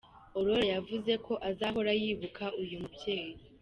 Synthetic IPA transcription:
o̞ɾo̞ɾejavuze̞kʰo̞ʔazaːɦo̞ɾajiβukʰaʔujumubjeːɾi

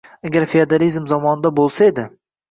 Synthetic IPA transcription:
aɡʲaɾfead̪alizmzɒmɒnɪd̪abolˠsae̞d̪ɪ

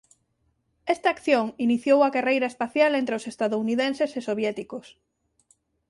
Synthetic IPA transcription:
ɛst̪aːkθjoŋiniθjowɐkerejɾɐespaθjalẽnt̪ɾeosest̪aðouniðensesesoβjɛt̪ikʊs

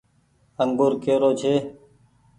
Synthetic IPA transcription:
əŋɡʊːɾkeːɾoːt͡ʃʰeː

